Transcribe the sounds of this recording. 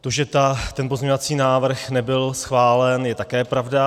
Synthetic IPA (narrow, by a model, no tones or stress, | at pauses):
t̪o̞ʒɛt̪at̪ɛnpo̞zɲeɲovat͡siːnaːvr̩xnɛbɪlsxvaːlɛnjɛt̪akɛːpɾavda